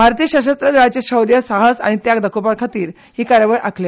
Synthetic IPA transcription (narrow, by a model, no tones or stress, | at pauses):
bʱaɾt̪ijəɕəɕəst̪ɾəd̪at͡ɕeɕəwɾijəsaɦəsa̰ɽ̃it̪jakd̪ʱəkʰopaɾkʰat̪iːɾ | hiːkaɾjəʋəɭʔa̰kʰle